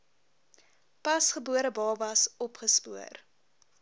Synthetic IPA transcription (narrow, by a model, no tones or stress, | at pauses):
pɐsχəbuəɾəbɑːvɐsɔpχəspuər